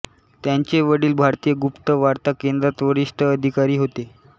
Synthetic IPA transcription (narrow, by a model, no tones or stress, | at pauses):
t̪jaɲt͡ɕeʋəɽiːlbʱaɾt̪ijəɡupt̪əʋaɾt̪akend̪ɾat̪ʋəɽiʂʈʰəːd̪ʱikaɾiːɦot̪e